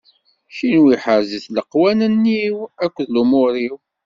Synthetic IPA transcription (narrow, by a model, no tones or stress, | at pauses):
ʃinwiħəɾziθləqːwænənːiwækʷːðlumʊɾiw